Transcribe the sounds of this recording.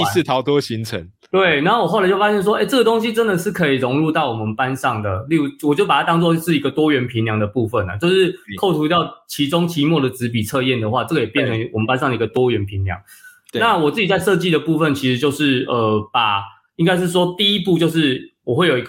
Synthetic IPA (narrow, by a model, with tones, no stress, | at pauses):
i˧s̩˥˨˩t̪ʰɑ˨˦ʊt̪wɔ˥ɕi˧˥ŋt͡sʰə˨˦ŋ | t̪we˥˩ɪna˧˦˥xo˥˩wɔ˨˩xlɪt͡ɕo˥˩fa˥ɕjnʂ̬wɔ˥e˥˩ɪʈ͡ʂɤ˥˩ɡə˩t̪o˥ŋɕi˥ʈ͡ʂə˦˥nd̪ə˨ʂɻ̩˥˩kʰɤ˧˦˥i˨˩ɻo˧˦˥ŋɻu˥˧t̪ɑ˥˩ʊwɔ˨˩mə˦npa˦nʂɑ˥˩ŋd̪ə˩li˥˧u˥wɔ˨˩t͡ɕjo˥˩ʊpa˨˩t̪ʰa˥t̪ɑ˥ŋt͡swɔ˥˧˥ʂɻ̩˥˩i˦ɡə˨t̪wɔ˥ɥɛ˧˥npʰi˧˥ŋljɑ˧˥ŋd̪ə˨pu˥˧fə˥˩na̰˩t͡ɕjo˥˧ʊʂɻ̩˥˩kʰo˥˩ʊt̪ʰu˧˥t̪jɑ˥˩ʊt͡ɕʰi˧˦˥ʈ͡ʂo˥ŋt͡ɕʰi˧˥˦mwɔ˥˩d̪ə˩t͡sɻ̩˧˥p̬i˨˩t͡sʰɤ˥˧jɛ˥˩nd̪ə˩xwa˥˧ʈ͡ʂɤ˥˩ɡə˩jɛ˨˩pjnʈ͡ʂʰə˧ŋ˧wɔ˨˩mə˨npa˥˦nsɑ˥ŋd̪ə˩˨i˧ɡə˨t̪wɔ˥ɥɛ˧˦npʰi˧˥ŋljɑ̰˧˦ŋ | na˥˨wɔ˨˩t͡sɹ̩˥˩t͡ɕi˨˩t͡sa˥˧ɪʂɤ˥˧t͡ɕi˥˩d̪ə˩pu˥˧fə˥˨nt͡ɕʰi˧˥ʂɻ̩˧˥t͡ɕjo˥˧ʊʂɻ̩˥˩ə˩pa˨˩ | i˥ŋka˥ɪʂ̬ɻ̩˥˩ʂ̬wɔ˦˥t̪i˥˧i˦˥pu˥˧t͡ɕjo˥˧ʊʂɻ̩˥˩wɔ˨˩we˥ɪjo˨˩ʊi˧˥ɡ